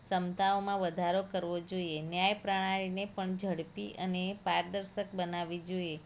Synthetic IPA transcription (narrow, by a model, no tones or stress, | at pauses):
səmt̪aomãʋəd̪ʱaɾokəɾʋod͡ʒoienjajpɾaɽ̃ãɾinepəɳd͡ʒʱəɽpiʔənepaɾd̪əɾʃək̚bənaʋid͡ʒoie